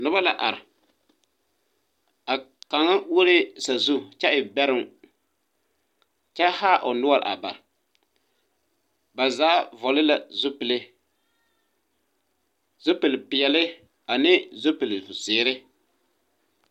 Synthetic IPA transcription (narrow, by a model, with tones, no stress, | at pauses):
nʊ˦ba˦la˨ʔa̰˨ɾɪ˨ | a˨ka˨ŋa˦wo˦ɾe˦sa˨zu˦t͡ʃɛ˦ʔɪ˨bɛ˦ɾɪ˦ŋ | t͡ʃɛ˦haː˦ʔʊ˨nʊ˦a˨ɾ̰a̰˨ba̰˨ɾɪ˨ | ba˨zaː˨˦vɔ˨lɪ˦la˨zʊ˦pɪ˨lɪ˦ | z̥o˦pɪ˨lpɪ˨jɛ˨lɪ˦ | a˨nɪ˦zo˦pɪ˨lvʊ˨sɪː˨ɾɪ˦